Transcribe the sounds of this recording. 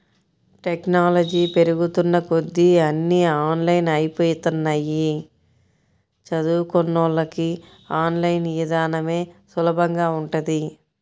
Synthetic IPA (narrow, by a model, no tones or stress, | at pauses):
ʈeknaːlɐd͡ʒiːpe̞ɾuɡut̪unːɐkod̪ːiɐnːiaːnlɐjnɐjipoːjut̪unːɐji | t͡ʃɐd̪uːkonːolɐki | aːnlɐjnjid̪aːnɐme̞ːsulɐbʱɐŋɡaːuɳʈɐd̪i